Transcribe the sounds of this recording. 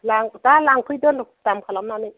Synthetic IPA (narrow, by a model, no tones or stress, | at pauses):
laŋdalaŋkʰɯjdɯlɔtamkʰalamnanɯj